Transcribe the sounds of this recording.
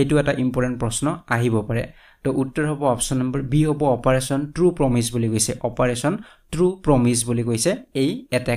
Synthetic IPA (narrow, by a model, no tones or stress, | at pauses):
ejtuɛtaʔimpɔɹtɛnt̚pɹɔsnɔaɦibɔpaɹɛ̰ | tɔʔutːɔɹɦɔbɔɔpsɔnːambaɹbiɦɔbɔɔpaɹesɔntɹupɹɔmisbulikojsɛʔɔpaɹesɔn | tɹupɹɔmis̬bulikojsɛejɛtɛ